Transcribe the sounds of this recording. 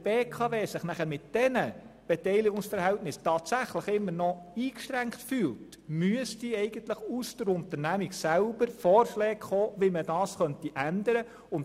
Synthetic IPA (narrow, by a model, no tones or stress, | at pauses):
b̥eːkʰɑveːsɪχnæχəɾmɪtd̥ɛnəb̥etɛɪliɡʊŋsfəɾhɛltnɪstɑːtsæχləχɪmːəɾnɔiːkʃtɾæŋktfyːlt | myəsd̥iɛɪɡ̥əntləχusd̥əɾʊntəɾnæmiɡsælbəɾfɔːrʃlɛːɡχoːʋimədɑːsχœntiʔænd̪əɾə | ʊnt